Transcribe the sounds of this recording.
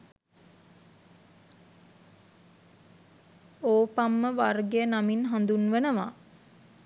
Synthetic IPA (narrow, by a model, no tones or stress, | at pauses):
oːpamːəʋarɡejənaminɦand̪unʋənəʋa̰